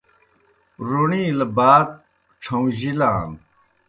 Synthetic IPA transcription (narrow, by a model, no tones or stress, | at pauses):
ɾoɳĩlɐbaːt̪̚ | ʈ͡ʂʰɐ̃w̃ʑilaːm